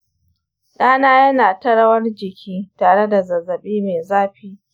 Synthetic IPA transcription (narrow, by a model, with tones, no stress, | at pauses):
ɗaː˦naː˦jɐ˦naː˨tɐ˦ɽɐ˦wɐ˦rd͡ʒɪ˨kʲʰiː˦taː˨ɽe˦da˨zɐ˨zɐ˨ɓiː˦meː˨zaː˦ɸiː˦